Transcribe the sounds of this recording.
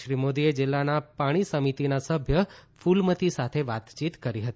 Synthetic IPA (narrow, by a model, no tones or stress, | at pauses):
ʃɾimod̪ied͡ʒɪlːanapaɽ̃isəmit̪inasəbʱjəfulmət̪isat̪ʰeʋat̪t͡ʃit̪kəɾiɦət̪i